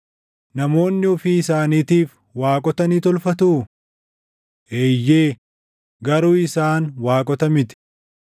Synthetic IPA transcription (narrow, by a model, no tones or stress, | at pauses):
nɐmo̞ːnːɪɔfiːɪsaːniːt̪iːf | waːkʼɔt̪ɐniːt̪ɔlfɐt̪uː | ʔeːjːeː | ɡɐɾuːɪsaːnwaːkʼɔt̪ɐmɪt̪ɪ̥